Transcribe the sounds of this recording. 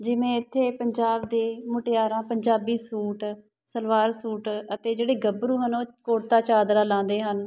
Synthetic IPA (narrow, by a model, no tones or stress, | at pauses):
d͡ʒɪʋẽːɪt̪ʰːeːpəɲd͡ʒaːbd̪eːmʊʈjaːɾãːpəɲd͡ʒaːbiːsuːʈ | səlʋaːɾsuːʈət̪eːd͡ʒeːɽeːɡəbɾuːɦənoːkoːɽt̪aːt͡ʃaːd̪ɾaːlãːnd̪eːɦən